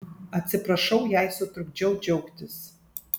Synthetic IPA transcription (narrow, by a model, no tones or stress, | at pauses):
at͡sʰɨpʰraʂowjaːjsotʰrb̚d͡ʒowd͡ʒowkʲʷtʰɨs